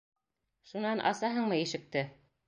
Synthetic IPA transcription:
ʃunɑnʔɑ̰sɑɦɤɴmɤjɘ̆ʃɘ̆k̚t̪ɘ

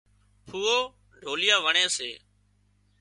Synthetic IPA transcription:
pʰuːoː | ɖʱoːlɪjaːʋəɳeːseː

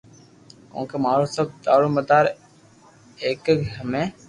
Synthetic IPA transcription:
kõ̰ːkeːmaːɾoːsəb̚d̪aːɽoːməd̪aːɾ | eːkɡʱəmẽː

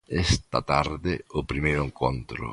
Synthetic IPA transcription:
ɛst̪a̰t̪aɾd̪eopɾimejɾoeŋkʰont̪ɾʊ̰

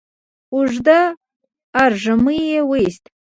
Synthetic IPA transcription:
ʊʐd̪aː | ɾʒaməjewəist̪

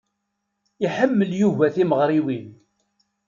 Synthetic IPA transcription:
iħəmːəljuvæθiməʁɾˤiwin

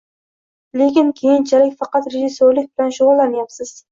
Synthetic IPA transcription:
lekʲɪnkʲʰejɪnt͡ʃʰalɪkʲfɑqɑt̪ɾeʒisːoɾlɪk̚ʲbɪlanʃʊʁʊlˠːanjapsɪz̥

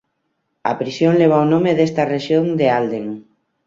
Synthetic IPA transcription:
ɐ̰pɾisjoŋleβ̞awnõmeðest̪areʃjoŋd̪eald̪eŋ

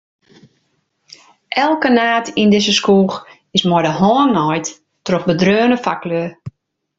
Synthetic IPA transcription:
ʔɛlˠkənaːtʰindɪzəskuːx | ɪsmɔdəɦɔːnːɔjt | troxbədrøːnəfaklø

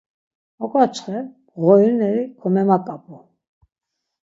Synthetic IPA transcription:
ɔkʼat͡ʃʰχɛ | ʁɔinɛɾikʰɔmɛmakʼapʼɔ

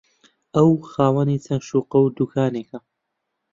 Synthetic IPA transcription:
ɐwxaːwɐnit͡sʰɐŋʃuːqɐwd̪ukʰaːneːkɐ

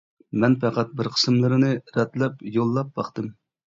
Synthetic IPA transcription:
mɛnpæqæt̪̚bɪɾqʰə̥sɨmlˠɨɾɨnɨɾɛt̪lɛpjolˠːɑp̚bɑχt̪ɨm

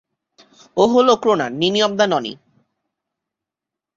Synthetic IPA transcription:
oɦolokɾona̰niniɔb̚d̪anɔnḭ

